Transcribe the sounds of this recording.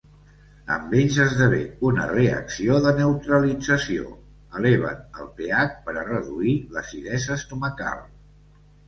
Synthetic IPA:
ə̰mbeʎzəzðəβeunə̰reə̰ksioðənəwt̪ɾəlid͡zəsio̰ | əlɛβə̰nə̰lˠpeak̚pəɾərəðuiləsiðɛzəst̪uməka̰lˠ

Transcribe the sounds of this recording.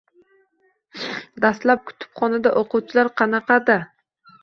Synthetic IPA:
d̪ast̪lap̚kʰʊ̥t̪ʰɪ̥pχɒnad̪aʔoqʊwt͡ʃʰɪlaɾqʰɑnɑqʰɑd̪a

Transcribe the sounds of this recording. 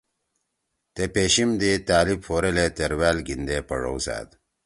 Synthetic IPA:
t̪epeːɕimd̪it̪aːlibfoːɾelet̪eɾwaːlɡind̪epɐɻo̰wsa̰ːd̪

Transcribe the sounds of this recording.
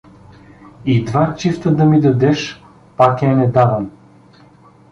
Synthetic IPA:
id̪vat͡ʃift̪əd̪ɐmid̪ɐd̪ɛʃ | pakɛnɛd̪avəm

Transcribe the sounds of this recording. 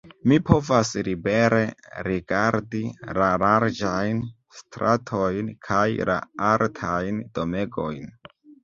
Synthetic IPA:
mipʰo̞vasɾibe̞ɾe̞ɾiɡaɾdilalaɾd͡ʒajn | stɾʔatʰo̞jnkʰajlʔa̰aɾtʰajnd̥o̞me̞ɡo̞jn

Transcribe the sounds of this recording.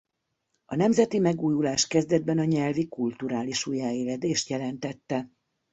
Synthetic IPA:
ɒnɛmzɛt̪imɛɡuːjulaːʃkɛzd̪ɛd̪̚bɛnɒɲɛlvikult̪uɾaːliʃujaːeːlɛd̪eːʃt̪jɛlɛnt̪ɛt̪ːɛ

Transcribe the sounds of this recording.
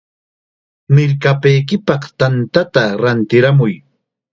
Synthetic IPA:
mɪɾkapajkɪpɑχt̪ant̪at̪aɾant̪ɪɾamʊj

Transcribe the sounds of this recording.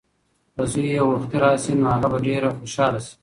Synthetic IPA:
ɐsujewɐxt̪iɾaːsinoaɣabɐɖeːɾaxoʃɑːlasi̥

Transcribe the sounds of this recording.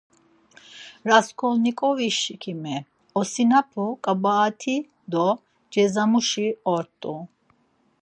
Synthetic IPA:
ɾaskʰɔlnikʼɔviʃkʰimɛ | ɔsinapʰukʼabaːt̪ʰi | d̪ɔ | d͡ʒɛzamuʃiɔɾt̪ʼu

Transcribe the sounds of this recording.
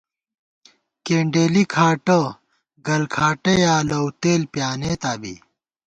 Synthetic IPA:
keːɳɖeːlikʰaːʈɐ | ɡɐlkʰaːʈɐjaːlɐwt̪eːlpjaːneːt̪aːbḭ

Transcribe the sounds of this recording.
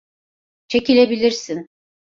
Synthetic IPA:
t͡ʃʰecilʲebilʲiɾsin

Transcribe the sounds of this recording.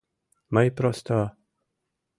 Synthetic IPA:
majpɾɔst̪a

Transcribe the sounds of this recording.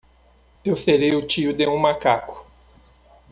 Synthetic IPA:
ewseɾejʊt͡ʃiʊd̪eũmakakʊ̥

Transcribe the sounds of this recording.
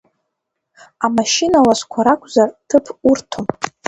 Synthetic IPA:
amaʃinalasʷkʷʰaɾakʷʰʼzartʰɨpʰurtʰom

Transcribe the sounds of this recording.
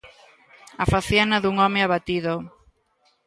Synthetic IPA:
afaθjanɐðuŋɔmeaβat̪iðo

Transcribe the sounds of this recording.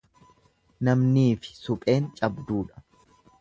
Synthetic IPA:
nɐmniːfɪ̥sʊpʼe̞ːnt͡ʃʼɐbd̪uːᶑɐ̥

